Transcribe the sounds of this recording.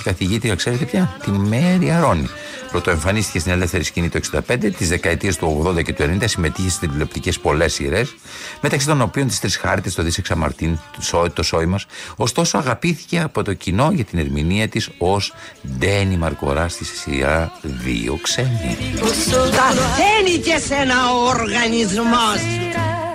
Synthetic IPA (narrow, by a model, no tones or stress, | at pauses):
kɐθiʝit̪ɾiɐkse̞ɾe̞t̪epçɐt̪imeɾiɐɾo̞ni | pɾot̪o̞eɱfɐnist̪i̥cet̪ine̞le̞fθeɾiscinit̪ue̞ksind̪ɐpe̞nd̪et̪izðe̞kɐe̞t̪iest̪uo̞ɣðo̞nd̪ɐce̞t̪uennind̪ɐsime̞t̪içesi̥st̪ɾiilo̞pt̪icespo̞le̞sḭɾe̞s | me̞t̪ɐksit̪o̞no̞pio̞nt̪ist̪ɾisxɐɾt̪est̪o̞ðiseksɐmɐ̰ɾt̪insot̪o̞so̞imɐso̞st̪o̞soɐɣɐpiθi̥ce̞ɐpo̞t̪o̞cino̞ʝɐt̪ine̞ɾminiɐt̪isozd̪e̞nimɐɾko̞̰ɾɐst̪isḭɐðḭo̰ksenðḭ | ɐðenikesenɐwoɾɣɐnizmos